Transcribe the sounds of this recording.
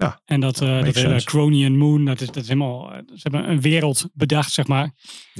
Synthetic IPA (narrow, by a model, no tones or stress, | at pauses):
ɛndɔtdɔtɪlˠəkrowniənmundɔtɪsdɔtɪselˠmalˠsəɛbəə̰nʋɪːɾəlˠtbədaxtsɛxmaːɹ